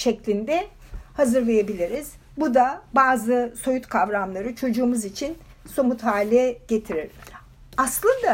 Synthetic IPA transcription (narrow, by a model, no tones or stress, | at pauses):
ʃɛclʲind̪ɛhazɯɾlˠejebilʲiɾiz̥ | bud̪abaːzɯso̞jut̪kʰavɾamlˠaɾɯt͡ʃʰo̞d͡ʒuːmuzit͡ʃʰinso̞mut̪ɦaːlʲɛɟ̥e̞t̪ʰiɾiɾ̥ | aslˠɯnd̪a